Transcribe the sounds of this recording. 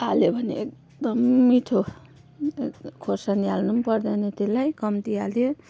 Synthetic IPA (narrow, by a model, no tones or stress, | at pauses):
aljobʱʌnḛek̚ | d̪ʌmːiʈʰo | kʰosanialnumpʌrd̪anet̪ilajkʌmt̪ialjo